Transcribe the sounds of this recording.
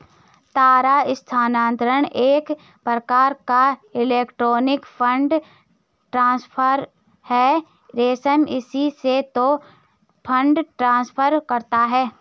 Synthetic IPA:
t̪aːɾaɪst̪ʰaːnãːnt̪ɾəɽ̃eːk | pɾəkaːɾkaɪleːkʈɾoːnɪkpʰə̃ɳɖ | ʈɾãːspʰəɾ | hɛː | ɾeːsɛmɪsiset̪o | pʰə̃ɳɖʈɾãːspʰəɾkɐɾt̪aɦɛː

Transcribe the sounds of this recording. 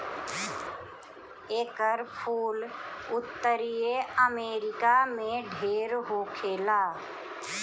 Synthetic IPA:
eːkəɾpʰuːlʊt̪ːəɾijeəmeːɾɪkamẽɖʱeːɾɦoːkʰeːlaː

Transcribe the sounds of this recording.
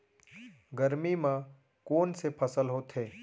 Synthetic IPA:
ɡəɾmimã | koːnsepʰəsəlɦoːt̪ɦeː

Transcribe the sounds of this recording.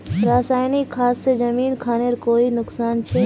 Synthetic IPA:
ɾaːsaːjnikʰːaːsːed͡ʒɐmiːnkʰaːneɾkoːinʊksaːnt͡ʃʰeː

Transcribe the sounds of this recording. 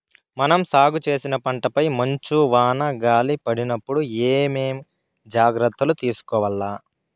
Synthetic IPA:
mɐnɐmsaːɡut͡ʃe̞ːsinɐpɐɳʈɐpɐjmɐɲt͡ʃuʋaːnɐɡaːlipɐɽinɐpːuɽueːmeːm | d͡ʒaːɡɾɐt̪ːɐlut̪iːsu̥kɔːʋɐlːaː

